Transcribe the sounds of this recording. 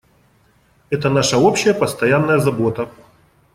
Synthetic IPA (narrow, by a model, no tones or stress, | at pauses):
ɛt̪ənaʂəopɕːɪjəpɐst̪ɐjanːəjəzɐbo̞t̪ə